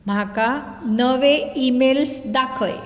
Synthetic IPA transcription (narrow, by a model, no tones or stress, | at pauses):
m̤aka | nəʋeimelsd̪akʰəj